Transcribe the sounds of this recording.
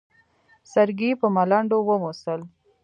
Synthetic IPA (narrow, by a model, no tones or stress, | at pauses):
saɾɡipəmalaɳɖowəmosəl